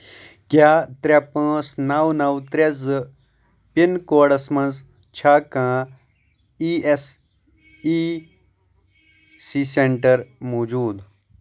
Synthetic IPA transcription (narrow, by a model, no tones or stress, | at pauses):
kjaːt̪ɾʲɐpãːsnɐwnɐwt̪ɾezɨ | pinkoːɽɐsmɐ̃nz | t͡ʃʰaːkãː | iːes | i | siːseɳʈɐɾmoːd͡ʒuːd̪